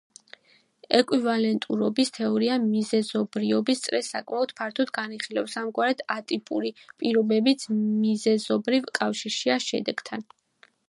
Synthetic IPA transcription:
ɛkʼwivalɛnt̪ʼuɾɔbist̪ʰɛɔɾiamizɛzɔbɾiɔbist̪sʼɾɛsːakʼmaɔd̪̥̚pʰaɾt̪ʰɔd̪ɡaniχilɛ̰fsamɡwaɾɛd̪̥at̪ʼipʼuɾipʼiɾɔbɛbit̪sʰmizɛzɔbɾivkʼafʃiɾʃiaʃɛ̰d̪ɛɡ̥t̪ʰan

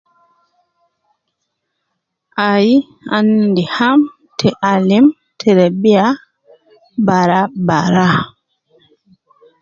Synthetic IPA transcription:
ʔaji | a̰ndiham | tʰɛʔalim | tʰɛɾɛbia | baɾabaɾa

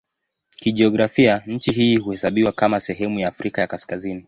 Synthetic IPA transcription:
kiʄiɔɡɾafiaɲ̩t͡ʃiɦiːhuhɛsaɓiwakamasɛɦɛmujaːfɾikajakaskazini

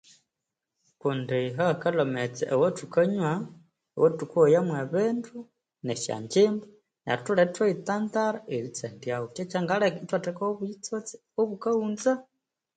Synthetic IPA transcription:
kundeɦakalomet͡sḛʔːwatukaɲwa | wotukojamweβeːndu | neʃa̰ːɲd͡ʒeːmba | na̰ɾtuletweitaːndaɾaeɾit͡sendjawot͡ʃet͡ʃaŋɡalekitwatekaoβuit͡sot͡si̥ | oβukauːnza

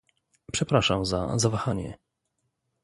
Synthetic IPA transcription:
pʂɛpɾaʂamza̰zavaxaɲɛ̰

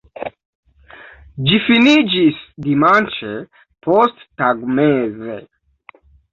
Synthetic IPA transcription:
d͡ʒifinid͡ʒisd̪imant͡ʃe | pʰost̪ːaɡmeze

